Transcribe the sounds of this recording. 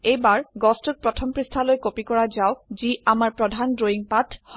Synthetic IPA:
ejbaɹɡɔstut̚pɹɔtʰɔmpɹistʰalojkopikɔɹazawziamaɹpɹɔdʱandoiŋpatʰh

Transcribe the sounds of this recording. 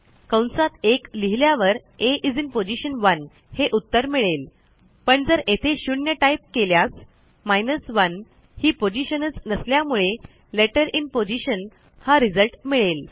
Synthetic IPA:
kəwɳsat̪ekliɦiljaʋəɾ | eʔid͡zinpod͡ʑiɕənʋən | heʔut̪ːəɾmiɭel | pəɳd͡zəɾet̪ʰeɕunjəʈaip̚keljas | majnəsʋən | hiːpod͡ʑiɕənət͡snəsljamuɭe | leʈəɾinpod͡ʑiɕən | haɾid͡zəlʈmiɭel

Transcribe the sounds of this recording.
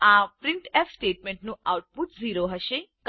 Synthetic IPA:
apɾɪɳʈefsʈeʈmẽɳʈnũawʈ̚put̪ziɾoɦəʃek

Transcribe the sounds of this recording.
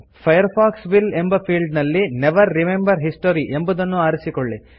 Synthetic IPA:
pʰɐjɐɾpʰaːksʋile̞mbɐpʰiːɭɖnɐlːineʋɐɾːimembɐɾɦisʈoɾiʔembud̪ɐnːuaːɾisikoɭːi

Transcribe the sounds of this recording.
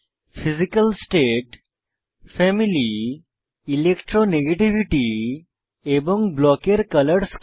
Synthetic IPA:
fʰizikəlsʈeʈ | fʰɛmili | ilekʈɾoneɡeʈiʋiʈi | ebɔŋɡblɔkeɾkələɾs

